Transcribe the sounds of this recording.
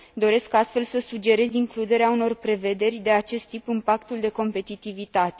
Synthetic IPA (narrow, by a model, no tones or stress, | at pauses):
d̪o̞ɾe̞skast̪fe̞lsəsud͡ʒe̞ɾe̞ziŋklud̪e̞ɾeauno̞rpɾe̞ve̞d̪e̞rʲd̪e̞at͡ʃe̞st̪ːipɨmpakt̪uld̪e̞ko̞mpe̞t̪it̪ivit̪at̪e